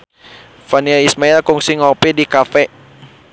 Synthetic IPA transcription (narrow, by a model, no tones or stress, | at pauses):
fanialismailkuŋsiŋɔpɛdikafɛ